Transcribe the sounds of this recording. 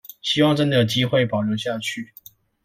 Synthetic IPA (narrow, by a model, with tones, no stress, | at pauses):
ɕi˥wɑ˥˧ŋʈ͡ʂə˥nd̪ə˩˨˩t͡ɕi˥xwe˥˩ɪpɑ˨˩ʊjo˧˥ʊɕja˥˧t͡ɕʰy˥˩